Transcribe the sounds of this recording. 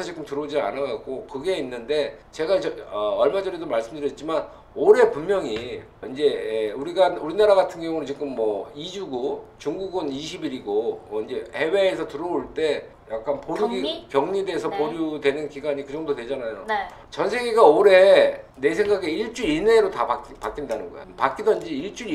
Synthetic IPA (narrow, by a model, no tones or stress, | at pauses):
sʰʌt͡ɕik͈ɯmtɯɾod͡ʑia̰naɡak͈okɯɡe̞inːɯnde̞t͡ɕe̞ɡat͡ɕʌʌʌɭmad͡ʑʌɾidomaɭs͈ɯmdɯɾjʌt̚t͡ɕ͈iman | oɾe̞pummjʌŋi | ind͡ʑe̞uɾiɡauɾinaɾaɡatʰɯnɡjʌŋunɯt͡ɕik͈ɯmːʌid͡ʑuɡut͡ɕuŋɡuɡɯniɕʰibiɾiɡoʌind͡ʑe̞he̞we̞ːsʰʌtɯɾʌoɭt͈e̞ | jak̚k͈anpoɾipjʌŋɲide̞ːsʰʌpoɾjudwe̞nɯnkiɡaɲikɯd͡ʑʌŋdodwe̞d͡ʑanajo̰n | t͡ɕʌnsʰe̞ɡeɡaoɾe̞ne̞sʰe̞ŋɡaɡe̞iɭt͡ɕ͈uine̞ɾotaapak͈indanɯnɡʌ̰ḛo̰pak͈idʌind͡ʑiiɭt͡ɕ͈u